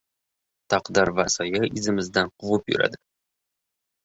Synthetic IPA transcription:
t̪ʰɑqd̪ɑɾvasɒjaɪzɪmɪzd̪anqʰʊvɨpjʊ̰ɾʔa̰d̪ɪ̥

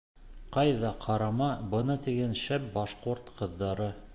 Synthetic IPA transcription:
qɑjðɑqʰɑɾɑmɑbɤ̆nɤt̪iɡænʃæp̚bɑʃquɾt̪qʰɤ̆ðːɑɾɤ

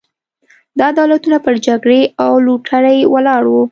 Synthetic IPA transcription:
d̪ɑad̪ɑlat̪unapəɾd͡ʒaɡɽeawluʈʰaɽajwalɑɽwu

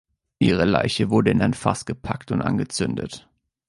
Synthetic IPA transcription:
ʔiːʁ̞əla̰ɪçəvʊɐdəɪnaɪnfa̰sɡ̥əpʰaktʊntʔa̰nɡət͡sʏndə̰t

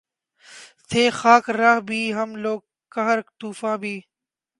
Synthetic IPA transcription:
t̪ʰeːxaːkɾaɦbʱiːɦɐmloːɡ̚ | kəɦəɾkt̪uːfãːbʱiː

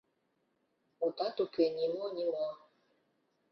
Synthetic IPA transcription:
otatokɥɛɲimɔɲimɔ

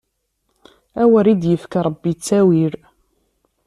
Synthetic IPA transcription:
æwəɾid̪jəfkaɾˤbːit͡sːæwiɾ

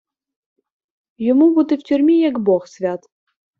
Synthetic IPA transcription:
jɔmubut̪ɪwtʲʊrʲmʲijɐɡbɔxsʲʋʲat̪

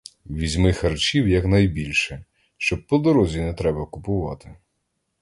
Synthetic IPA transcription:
ʋʲizʲmɪxɐrt͡ʃiwjɐknɐjbʲilʲʃɛ | ʃt͡ʃɔb̚pɔd̪ɔɾɔzʲinɛt̪ɾɛbɐkʊpʊʋɑ̰t̪ɪ

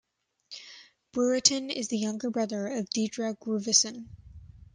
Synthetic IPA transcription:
b̥ʊɹɨɾɨ̃nɪ̰zðɨjʌ̃ŋɡə˞bɹʌðə˞ʌvdidɹɨɡɹʉvɨsɨ̃n

